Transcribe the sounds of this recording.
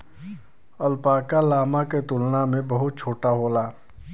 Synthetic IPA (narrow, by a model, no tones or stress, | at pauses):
ɐlpaːkalaːmaket̪ʊlnamẽbɐɦʊt̪̚t͡ʃʰoːʈaɦoːlaː